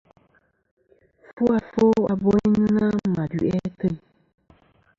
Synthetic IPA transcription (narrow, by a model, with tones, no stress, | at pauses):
fu˦a˨fo˦a˨bo˦ɲ˦na˦ma˨dɥ̰ʔɛ˦tə˦˨